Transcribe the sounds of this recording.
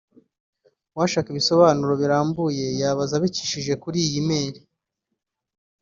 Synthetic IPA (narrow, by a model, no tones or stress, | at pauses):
waʃaːkiβiso̞βaːnuɾo̞βiɾaːmbuje̞jaβazaβiciʃiʒe̞kuɾiːjimeːɾi